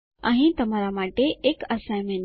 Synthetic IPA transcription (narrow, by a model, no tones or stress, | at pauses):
aɦĩt̪ɐmaːɾamaːʈeeːkɐsajmẽn